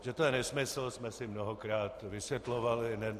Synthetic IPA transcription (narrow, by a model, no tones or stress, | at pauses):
ʒɛt̪ojɛnɛsmɪsl̩smɛsɪmnoɦokɾaːt̪vɪsʋjɛt̪lovalɪnɛ